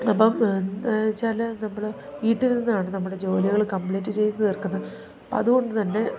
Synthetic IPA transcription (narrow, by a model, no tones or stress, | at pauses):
ɐpːɐm | t͡ɕaːlɐnɐmːɐɭ | ʋiːʈːiɾninːaːɳɨnɐmːuɽe̞d͡ʑo̞ːliɣɐɭkɐmpɭiːtːɨt͡ɕe̞jnːɨt̪irkːunːɐð | ɐpːoɐðuɣo̞ɳɖɨt̪ɐnːe̞